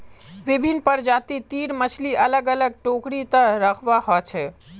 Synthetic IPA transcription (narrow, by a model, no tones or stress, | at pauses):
ʋibʱinpəɾd͡ʒat̪it̪iɾmət͡ʃʰliʔələɡələɡ̚ʈokɽit̪əɾəkʰʋaɦɔt͡ʃʰɛ